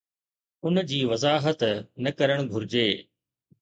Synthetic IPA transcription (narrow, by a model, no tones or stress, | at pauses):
ʊnd͡ʑiːʋɐzaːɦət̪nɐkɐɾəɽ̃ɡʱʊɾɪd͡ʑeː